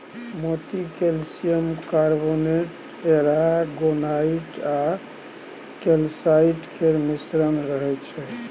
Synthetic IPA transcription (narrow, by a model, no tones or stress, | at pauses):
mot̪ikelsijəmkaɾboneʈ | eɾaɡonaiʈa | kelsaiʈkʰeɾmisɾənɾəɦɛt͡ʃʰɛ